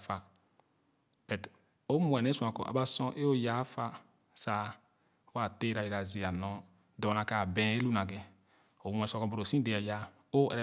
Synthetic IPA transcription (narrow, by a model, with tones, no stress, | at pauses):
fa˨ | bɛ˨t | o˦mu˨ɛ˨ne˦sũ˨ã˨kɔ̰˨ʔa̰˨ba˦sɔ̃˦ʔe˦o˦ja˨˦fa˦ | sa˨˦ | wa˦˨te˦ɾa˨i˨ɾa˨zi˨a˨nɔ˦ | dɔ˨na˨ka˨bɛ̃˨˦e˦lu˦na˨ɡɛ˨ | o˨˦m˦ɛ˨˦skɔ˨bo˨ɾo˨sĩ˦de˨a˨ja˦ | o˦ɛ̰˨ɾɛ˨